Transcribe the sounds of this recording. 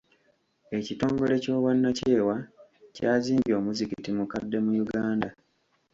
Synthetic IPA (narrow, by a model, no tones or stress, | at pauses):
e̞cito̞ːŋɡo̞le̞co̞ːβwanːace̞ːwacaːziːmbio̞ːmuzikitimukadːe̞mujuɡaːnda